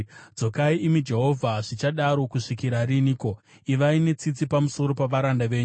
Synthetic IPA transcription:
d͡zo̞kaiʔimid͡ʒe̞ɦo̞vʱaʐit͡ʃaɗaɾo̞kuʂikiɾaɾiniːko | iʋaine̞t͡sit͡sipamuso̞ɾo̞paʋaɾandaʋe̞ːɲu

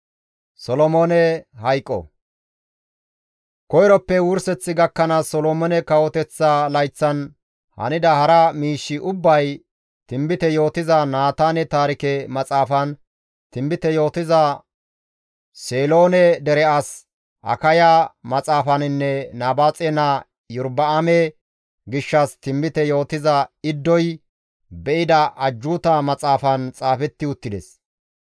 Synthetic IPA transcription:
sɔlɔmoːnɛhɐjkʼːɔ̰ | kɔjɾɔpːɛwʊɾsɛt͡sːɪɡɐkːɐnɐsɔlɔmɔnɛkɐwɔt̪ɛt͡sːɐlɐjt͡sːɐn | hɐ̰nɪd̪ɐhɐɾɐmiːʃːɪʔʊbːɐj | t̪ɪmbɪt̪ɛjo̞ːt̪ɪzɐnaːt̪aːnɛt̪aːɾɪkɛmɐt͡sʼaːfɐn | t̪ɪmbɪt̪ɛjo̞ːt̪ɪzɐ | seːlo̞ːnɛd̪ɛɾɛʔas | ʔɐ̰kɐjamɐt͡sʼaːfɐnɪnːɛnaːbaːt͡sʼɛna | jʊɾbɐɐmɛ | ɡɪʃːɐst̪ɪmbɪt̪ɛjo̞ːt̪ɪzɐɪd̪ːɔj | bɛʔɪd̪ɐʔɐd͡ʒːuːt̪amɐt͡sʼaːfɐnt͡sʼaːfɛt̪ːɪʊt̪ːɪd̪ɛs

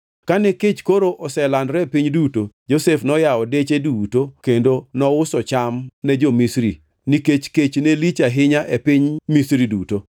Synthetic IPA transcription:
kaneket͡ʃkoɾoʔɔsɛlandɾɛpiɲdutod͡ʒosefnɔjaɔdet͡ʃedutokendonɔʊsɔt͡ʃamnɛd͡ʒɔmisɾḭ | niket͡ʃket͡ʃnelit͡ʃaɦɪɲaʔepɪɲmisɾiduto

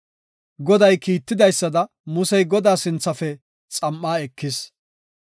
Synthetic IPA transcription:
ɡɔd̪ɐjkiːt̪ːɪd̪ɐjsːɐd̪ɐ | mʊsɛjɡɔd̪aːsɪnt͡sːɐfɛ | t͡sʼɐmːaːɛkːɪs

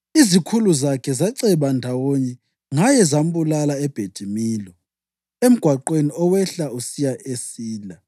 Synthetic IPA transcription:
izikʰuluzakʰɛzaǀɛβandʱawoɲɛ | ŋajɛzam̩bulalaɛb̥ʱed̥ʱimiːlɔ | em̩ɡ̥ʱwaǃweniɔwɛɬausijaʔesiːla

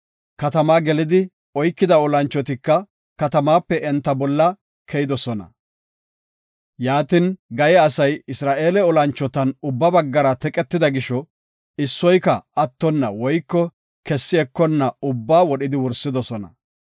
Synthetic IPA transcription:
kɐt̪ɐmaːɡɛlɪd̪ɪ | ɔjkːɪd̪ɐɔlɐnt͡ʃːɔt̪ɪkːɐ | kɐt̪ɐmaːpːɛɛnt̪ːɐbɔlːɐ | kʰɛjɪd̪ɔsɔnɐ̰ | jaːt̪ɪnɡɐjɛɐsɐjɪsɾaːʔe̞ːlɛɔlɐnt͡ʃːɔt̪ɐnʊbːɐbɐɡːɐɾɐt̪ɛkʼɛt̪ːɪd̪ɐɡɪʃɔ | ɪsːɔjkɐɐt̪ːɔnːɐ̰wɔjkːɔ | kɛsːɪɛkːɔnːɐʊbːaːwɔɗɪd̪ɪwɔɾsːɪd̪ɔsɔnɐ̰

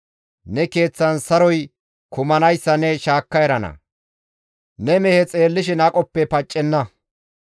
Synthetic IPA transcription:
nɛke̞ːt͡sːɐnsɐɾɔj | kʰʊmɐnɐjsːɐnɛʃaːkːɐjɾɐnɐ̰ | nɛmɛhɛt͡sʼe̞ːlːɪʃ̬ɪnɐkʼɔpːɛpɐt͡ʃʼːɛnːɐ

